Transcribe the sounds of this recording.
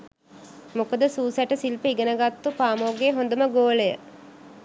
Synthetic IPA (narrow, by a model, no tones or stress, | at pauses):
mokəd̪əsuːsæʈəsilpəiɡənəɡat̪ːupaːmoːɡeɦond̪əməɡoːlejə̰